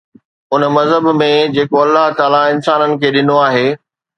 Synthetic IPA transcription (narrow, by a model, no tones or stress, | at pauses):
ʊnmɐzɦəbmẽd͡ʑeːkoɐlːaɦt̪aːlaɪnsaːnənɪ̆kʰeːɗɪnoaːɦeː